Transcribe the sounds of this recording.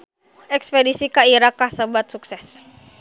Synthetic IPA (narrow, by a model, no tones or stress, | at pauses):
ʔɛkspɛdisikaiɾakasəbat̪̚suksɛs